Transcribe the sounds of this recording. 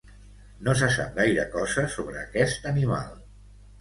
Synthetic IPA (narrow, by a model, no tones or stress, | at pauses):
nos̬əs̬a̰p̚ɣajɾəkɔzəsoβ̞ɾəːkɛst̪ənima̰lˠ